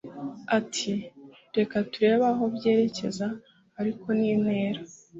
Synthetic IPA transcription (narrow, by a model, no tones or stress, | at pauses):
atʰi | ɾe̞katuɾe̞ːβaɦo̞bje̞ːɾe̞ce̞zaː | ɾiko̞niːne̞ːɾa